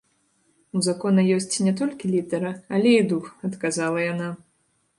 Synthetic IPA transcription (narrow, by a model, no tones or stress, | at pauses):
uzakɔnɐjɔsʲt͡sʲnʲɛt̪ɔlʲkʲilʲid̪ɛɾɐalʲɛid̪uxɐt̪kazalˠɐjana